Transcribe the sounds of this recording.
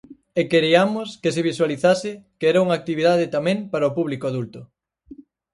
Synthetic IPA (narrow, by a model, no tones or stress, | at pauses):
ekeɾiamʊskeseβiswaliθasɪkeɛɾɐuŋak̚t̪iβiðað̞ɪt̪amẽŋpaɾɐopuβlikoaðult̪ʊ